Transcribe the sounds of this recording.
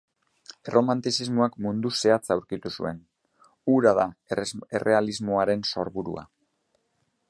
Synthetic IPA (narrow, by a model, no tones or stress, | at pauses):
ero̞mant̪isizmoakmund̪use̞at͡sawɾkit̪usṵe̞̰n | uɾaðaḛrʔe̞alizmoaɾe̞nso̞ɾβuɾṵa̰